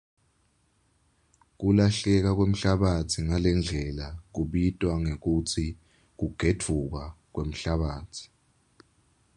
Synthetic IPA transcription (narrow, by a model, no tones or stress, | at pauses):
k̬ulaɬɛk̬ak̬wem̩ɬaɓatʰiŋalɛnd͡ɮʱɛlak̬uɓitʼwaŋek̬ut͡sʰi | k̬uɡ̥ʱetʰuk̬ak̬wem̩ɬaɓaːtʰi̥